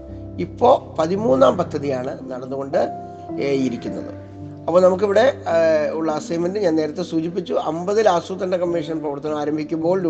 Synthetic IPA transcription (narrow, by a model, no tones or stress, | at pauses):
ipːo̞ːpɐðimuːnːaːmpɐd̪ʱːɐðijaːɳɨnɐɽɐnːuɣo̞ɳɖɨ | eːjiɾikʲːunːɐ̰ðɨ̰ | ɐpːoːnɐmuk̬ːiʋiɽe̞uɭːɐsɐjmɐndɨɲaːnne̞ːɾɐt̪ːe̞suːt͡ɕip̬ːit͡ɕːuʔɐmbɐðilaːsuːt̪ːɐnːɐkɐmːiʂ̬ɐnprɐʋɐrt̪ːɐnɐmaːɾɐmbʱikʲːumbo̞ːɭɾu